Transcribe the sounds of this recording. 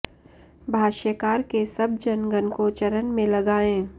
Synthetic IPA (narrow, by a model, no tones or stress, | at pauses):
bʱaːʃəkaːɾkesɐb̚d͡ʒɐnɡənkot͡ʃɐɾənmẽlɐɡaːẽː